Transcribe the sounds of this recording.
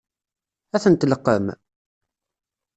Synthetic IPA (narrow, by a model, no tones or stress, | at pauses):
æθənt̪ləqːəm